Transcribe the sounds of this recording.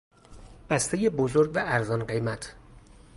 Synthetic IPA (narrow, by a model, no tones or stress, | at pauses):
b̥æst̪ʰejebozoɾɡvæʔæɾzɒːnɢe̞jmæt̪ʰ